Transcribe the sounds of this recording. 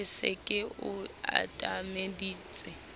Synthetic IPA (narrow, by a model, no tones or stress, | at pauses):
ɪsḛkʼɪʊa̰tʼamediːt͡sʼɪ